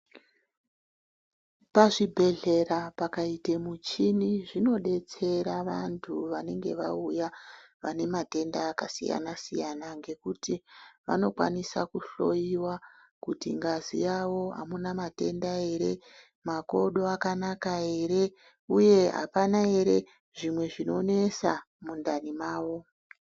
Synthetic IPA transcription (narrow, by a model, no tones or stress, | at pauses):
paʐibʱe̞ɮe̞rapakaitemut͡ʃiniʐino̞ɗe̞t͡se̞ɾaʋantʰuʋane̞ŋɡe̞̰ʋa̰uja | ʋane̞mate̞ndaːkasḭja̰nasijanaŋɡe̞kutiʋa̰no̞kwa̰nisakuɬo̞̰jiwa | kutḭŋɡazḭjawo̞ɦa̰munamate̞ndae̞ɾe̞ | mako̞ɗo̞akanakae̞ɾe̞ | uje̞ɦa̰panae̞ɾe̞ | ʐimwe̞ʐino̞ne̞sa | mundanimaːʋo̞